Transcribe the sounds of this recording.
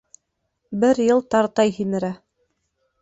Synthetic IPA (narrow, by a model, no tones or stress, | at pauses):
bɘɾjɤlˠt̪ɑɾt̪ɑjɦinɘ̆ɾæ